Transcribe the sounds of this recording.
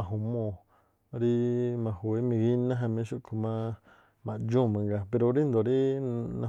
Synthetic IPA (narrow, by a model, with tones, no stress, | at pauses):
ã˧˨ɦu˧˨mõ˧˨ | ɾi˦mã˧hwe˧˦mĩ˧ɣi˦nã˦ɦã˧mĩ˧˦ʃu˧ʔkʰu˧mã˦ | mã˧˨d͡ʒũ˦˨mã˧ŋɡa˧pe˧ɾo˧ɾi˦nd̪o˨ɾi˦nã̰˧